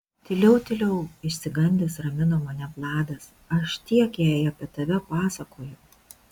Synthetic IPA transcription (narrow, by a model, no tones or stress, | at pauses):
t̪ʲɪlʲɛʊt̪ʲɪlʲɛʊɪʃʲsʲɪɡɐnʲd̪ʲɪːsɾɐmʲɪnoːmɐnʲɛplˠɑːd̪ɐs | ɐʃt̪ʲiɛkjɛːjɐpʲiɛt̪ɐʋʲɛpɑːsɐkoːjʊ